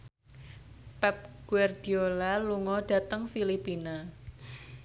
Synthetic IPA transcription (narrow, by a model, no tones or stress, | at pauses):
pɛp̚ɡ̥uard̪̥iolaluŋɔɖ̥ä̤t̪əŋfilipina